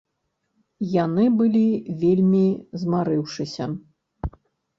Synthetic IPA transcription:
janɨbɨlʲivʲelʲmʲizmaɾɨwʂɨsʲɐ

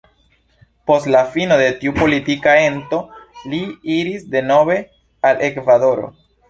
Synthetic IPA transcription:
po̞stlafino̞de̞tiupo̞litikae̞nto̞liiɾisde̞no̞be̞ | alʔe̞kvado̞ɾo̞̰

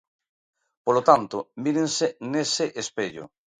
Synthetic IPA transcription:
polot̪ant̪omiɾẽnseneseʔespeʎo̰

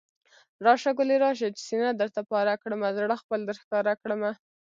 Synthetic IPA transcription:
ɾɑʃaɡʊliɾɑʃ̬et͡ʃsinad̪əɾt̪apɑɾakɽəmazaɽəxpəld̪əɾxkɑɾakɽəma

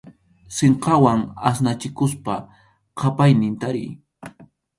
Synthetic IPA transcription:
seɴqɑwaŋasnat͡ʃɪkʊspa | qʰɑpajnɪnt̪aɾɪ̰j

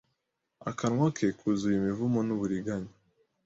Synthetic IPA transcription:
a̰kanŋwakʰekʰuzujimivumonuβuɾiɡaɲa

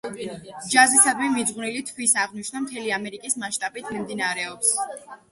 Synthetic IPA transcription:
d͡ʒazisad̪mimid̪zʁwnilit̪ʰwisaʁniʃʰnamt̪ʰɛliamɛɾikʼismaʃt̪ʼabit̪ʰmimd̪inaɾɛɔps

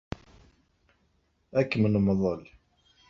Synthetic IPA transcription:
ækːmənməðˤəl

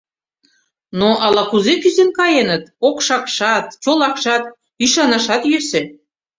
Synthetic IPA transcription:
noʔɑlɑkuzekyzenkɑjenət̪okʃɑkʃɑt̪t͡ɕolɑkʃɑt̪ | iʃɑnɑʃɑt̪jøse

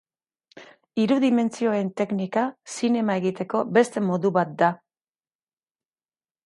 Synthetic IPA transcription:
iɾuðime̞nt͡sio̞e̞nt̪e̞knikasine̞mae̞ɣit̪e̞ko̞be̞st̪e̞mo̞ðuβat̪̚d̪a

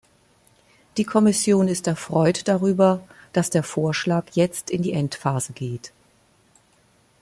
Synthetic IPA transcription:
d̥iːkʰɔmɪsjoːnɪstɛɐfʁ̥ɔʏtd̥aʁyːbɐd̥asd̥eːɐfoːɐʃlaːkjɛt͡stɪndiːʔɛntfaːzəɡeːt

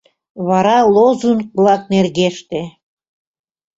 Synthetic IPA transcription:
βɑɾɑlˠozunklˠɑk̚nerɣeʃt̪e

